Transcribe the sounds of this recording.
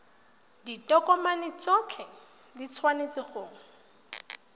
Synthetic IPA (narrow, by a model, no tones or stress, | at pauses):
ditʼɔkʼɔmanɪt͡sɔt͡ɬʰɛ | dit͡sʰwanet͡sɪχoʊːŋ̩